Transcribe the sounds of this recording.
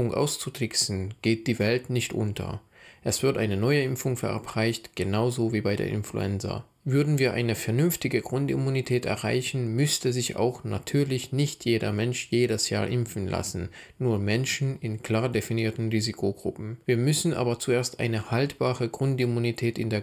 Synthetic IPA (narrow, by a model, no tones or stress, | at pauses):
ʊŋʔa̰ʊst͡sutʁɪksn̩ɡ̥eːt̚d̥iːvɛltnɪçtʔʊ̰ntʰɐ̰ | ʔɛsv̥ɪɐtʔaɪnənɔʏəʔɪmfʊŋfɛɐʔa̰pʁ̥aɪçtɡ̥ənaʊzoviːbaɪdḛːɐʔɪ̰nflṵɛ̰nt͡sɐ̰ | vʏɐdn̩viːɐʔa̰ɪnəfɛɐnʏmftɪɡəɡʁʊntḭmunitʰɛːtɛ̰ɐʁa̰ɪçn̩mʏstəzɪça̰ʊxna̰tʰyːɐlɪçnɪçtʰjeːdɐ̰mɛnʃjeːɾəsja̰ːɐʔɪmfn̩lʔa̰sn̩ː | uːɐmɛnʃn̩ɪnkl̥aːɐdefiniːɐtn̩ʁiːzikʰoɡʁʊ̰pm̩viːɐmʏsn̩ʔa̰ːbɐt͡sueːɐstʔa̰ɪnəhaltb̥aːʁəɡʁʊntimunitʰɛːtɪ̰ndeːɐ